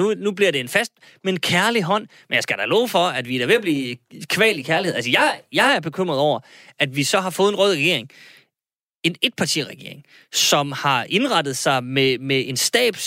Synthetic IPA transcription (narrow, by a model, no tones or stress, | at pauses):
unub̥liɐɾe̝e̝nfæsd̥ | meenkʰæɐliɦɒ̽n̰menjɑ̈ɪsɡ̥æd̥ælɔːfɒ̽æd̥ʋiɾ̥æʋe̝æb̥liːkʰʋɛ̰ːlikʰæɐlieð̩ˠælsəjɑɪjɑ̈ɪæɐb̥e̝kʰøm̰ʁɐðˠɒʊ̰ɐæd̥ʋisɒ̽ɦɑ̈fɔ̽ːð̩ˠenʁɔːð̞ˠʁɛɡ̥e̝ɐeŋ | e̝ne̝d̥̚pʰɑ̈t͡sʰḭːʁaɡ̥e̝ɐeŋ | sɒ̽mhɑ̈ʔe̝nʁɑ̈d̥ð̞̩ˠsɑ̈ɪmemee̝nsd̥ɛ̰ːb̥